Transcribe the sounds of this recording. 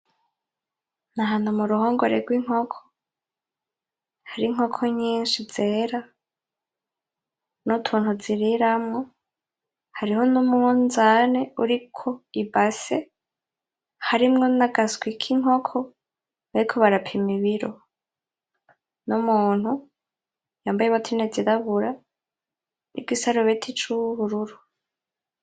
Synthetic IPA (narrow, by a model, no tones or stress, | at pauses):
naɦaːn̥humuɾuɦoːŋɡoɾeɡwiŋ̥ho̞kʰo̥ | haɾiŋ̥ho̞kʰoɲiːnʃiz̥e̞ːɾa | nutʰuːnhuziɾiɾamŋo̞ | haɾiho̞numunzane̞uɾikʰo̞ibase | haɾimŋo̞naɡasɡwikʰiŋ̥o̞kʰo | βaɾikʰoβaɾapʰimiβiɾo | numuːn̥hu | jaːmbajeβatʰined͡ziɾaβuɾa | nʔḭɡisaɾoβetʰit͡ʃuβuɾuɾu